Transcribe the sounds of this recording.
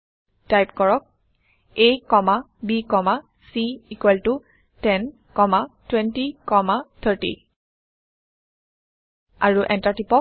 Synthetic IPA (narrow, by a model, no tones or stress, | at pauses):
tajpkɔɹɔk̚ | ejkɔma | bikɔma | siikwɛltu | tɛn | kɔmatwɛntikɔmat̪ʰətḭ | a̰ɹuʔɛntatipɔk̚